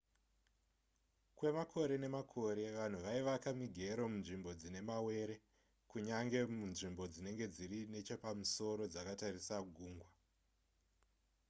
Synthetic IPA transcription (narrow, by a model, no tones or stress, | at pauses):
kwe̞makʰo̞ɾe̞ne̞makʰo̞ɾe̞ʋan̤uʋaiʋakamiɡʱe̞ɾomunʐimbo̞d͡zine̞mawe̞ɾe̞ | kuɲaŋɡe̞munʐimbo̞d͡zine̞ŋɡe̞d͡zirine̞t͡ʃopamuso̞ɾo̞d͡zakatarisaɡʱuːŋɡwa